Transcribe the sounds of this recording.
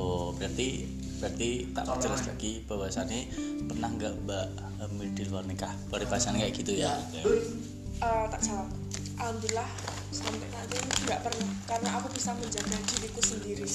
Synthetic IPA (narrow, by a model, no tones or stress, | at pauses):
obɾart̪i | b̥ɾart̪it̪a̰ʔpərd͡ʒəlasla̰ɡ̥ibəbaasaːnipərnahŋɡaʔbaʔ | əmidɪlwarnikahb̥aɾipaasankaʔaɡ̥it̪uja | ʔət̪a̰ʔsala | ʔamd̪ilah | sɔmpɛʔlaɲaŋɡaʔpərnahkarnaakubisaməɲd͡ʒaɡadilikusəndiɾi